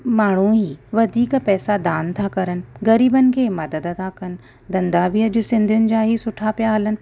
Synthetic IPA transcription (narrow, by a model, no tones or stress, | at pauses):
maːɳ̤uɦiːʋɐd̪ʱiːkpɛːsad̪aːnt̪ʰakɐɾənɪ̆ɣɐɾiːbənɪ̆kʰeːmɐd̪əd̪t̪ʰakɐnɪ̆ | d̪ɐ̃nd̪abʱiɐʄʊsɪ̃nd̪ʱijʊnɪ̆d͡ʑaːɦisʊʈʰapijaɦɐlənɪ̆